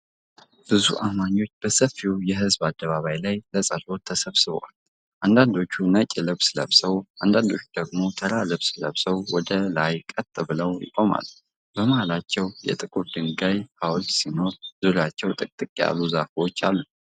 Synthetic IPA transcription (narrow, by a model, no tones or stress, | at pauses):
b̥ɨzṵʔamaɲːo̞t͡ʃːb̥əsəfːiwjɛɦɨzbad̪ːəβaβajlajləsʼəlo̞t̪ʰːəsəβsɨβ̰wal | ʔand̪and̪o̞t͡ʃːunət͡ʃʼɪlɨβslə̰βsəwʔand̪and̪o̞t͡ʃːud̪̥əɡmo̞t̪ʰəɾalɨβsləβsəwwɔd̪əlajkʼət̪ʼɨβɨləwjɪ̰kʼo̞ma̰lːu | b̥əmahalat͡ʃːɛwjɛ̰t̪ʼɨkʼuɾd̪ɨŋɡajhawlt̪sino̞ɾzuɾjat͡ʃːɛwt̪ʼɨkʼt̪ʼɨkʼija̰luzafiwo̞t͡ʃːalːu